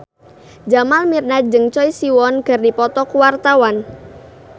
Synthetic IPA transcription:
d͡ʒamalmirnad͡ʒəŋt͡ʃɔisiwɔnɡ̥ərdipɔt̪ɔkuwart̪awan

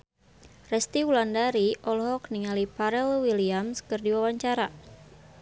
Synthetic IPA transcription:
rɛst̪iwulandaɾiʔɔlɦɔk̚niŋalipaɾɛlwiliamskɨrdiwawaɲt͡ʃaɾa

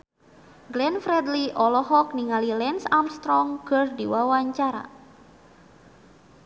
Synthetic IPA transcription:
ɡlɛnfɾɛdliʔɔlɔɦɔk̚niŋalilɛnsamst̪ɾɔŋkɨrdiwawaɲt͡ʃaɾa̰

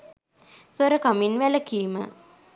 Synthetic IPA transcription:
səɾəkaminʋæləkijmə̰

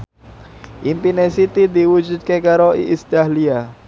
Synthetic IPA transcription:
ʔimpinesit̪id̪iwu̥d͡ʒut̪̚kekaɾoḭʔist̪alia

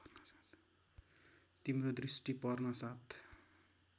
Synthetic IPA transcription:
nʌst̪ | t̪imrod̪risʈipʌrnʌsat̪ʰ

